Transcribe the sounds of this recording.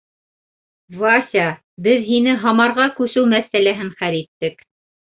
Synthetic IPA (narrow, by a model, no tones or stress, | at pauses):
vɑsʲɑ | bɘðɦinɘɦɑmɑɾʁɑkʉsɘwmæθælæɦɘɴχæɾit̪ːɘk